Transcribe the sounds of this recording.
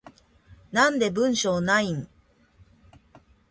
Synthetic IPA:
nãnd̪e̞bɯ̟̃ɰ̃ɕoːnaiŋ

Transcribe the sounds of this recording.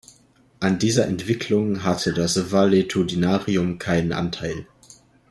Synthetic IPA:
ʔandiːzɐʔɛntv̥ɪkʰlʊŋɦatʰədasvaletʰudinaːʁiʊmkʰaɪnənʔa̰ntʰaɪl

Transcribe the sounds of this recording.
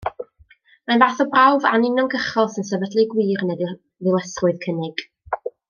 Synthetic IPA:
manvaːθɔbrawvanɪnɔŋɡəχɔlˠsənsɛbədlˠɨɡwiːrnɛd | ðɪlˠəsʊɨð̥kʰənɪɡ̥

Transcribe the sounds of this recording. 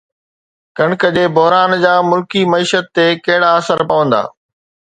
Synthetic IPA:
kɐɽ̃kəd͡ʑeːbʊɦɾaːnd͡ʑaːmʊlkimɐiːʃət̪ːekɐɦɪɽaɐsəɾpɐʋə̃nd̪a̰ː

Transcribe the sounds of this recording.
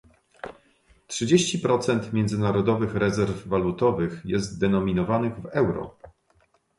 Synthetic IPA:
tʂɘd͡ʑeɕt͡ɕipɾɔt̪sɛnt̪mʲjɛnd̪zɘnaɾɔd̪ɔvɘxɾɛzɛɾvːalut̪ɔvɘxjɛst̪̚d̪ɛnɔmʲinɔvanɘɣvɛwɾɔ̰

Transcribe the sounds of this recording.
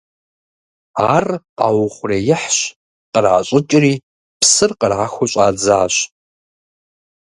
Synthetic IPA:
aːrqa̰wʊχʷʊreːjɪħɕ | qərʕa̰ɕʼɪt͡ʃʼɪriː | pʰsɨrqərʕaxʷʊɕʼaːd͡zaaɕ

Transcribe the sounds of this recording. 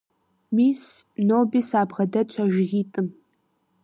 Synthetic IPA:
miːsnoːbiːsaːbʁɐdɐt͡ʃʷʰɐʒɪɣiːtʼɨm

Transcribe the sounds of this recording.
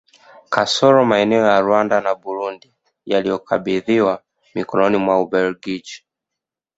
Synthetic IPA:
kasɔɾɔmaɛnɛɔjaɾwandanabuɾundi | jalijɔka̰ɓiðiwa | mikɔnɔnimwaubɛlɡid͡ʒi

